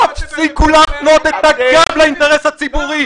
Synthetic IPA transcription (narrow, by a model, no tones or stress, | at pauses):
atikulatnot̪et̪aɡablaint̪eʁeshat͡sibuʁi